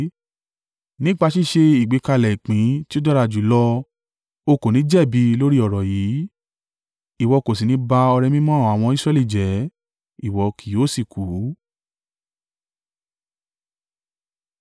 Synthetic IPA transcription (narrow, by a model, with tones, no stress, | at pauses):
nĩ˦k͡pa˧ʃi˦˨ʃe˧i˨ɡ͡be˨˦ka˧lɛ˨i˨k͡pĩ˨˦ti˦o˦dɔ˦ɾa˧˨d͡ʒu˨˦lɔ˧ | o˧ko˨nĩ˨˦d͡ʒɛ˦˨bi˧˦lo˦ɾi˦ɔ˦˨ɾɔ˨jiː˨˦ | i˨wɔ˧ko˨s̬i˨nĩ˧˦ba˧ɔ˧ɾɛ˧mĩ˦mɔ̃˦˨a˨w̃ɔ̃˧i˦sɾɛ˦˧li˦˨d͡ʒɛ˨˦ | i˦˨wɔ˨˧kʰi˨˦o˦˨si˨ku˨˦